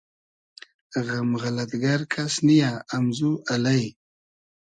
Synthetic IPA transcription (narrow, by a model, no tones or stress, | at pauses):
ɣamɣalat̪ɡaɾkʰasnijaːmzualaj